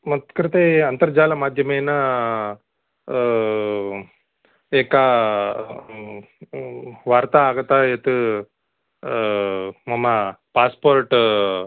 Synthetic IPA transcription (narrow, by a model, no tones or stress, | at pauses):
mɐt̪kɾit̪eɐnt̪ɐɾd͡ʒaːlɐmaːd̪ʱjɐmeːnɐ | eːkɐ | ʋaːɾt̪aaːɡɐt̪ajet̪u | mɐmːɐpaːspoːɾʈ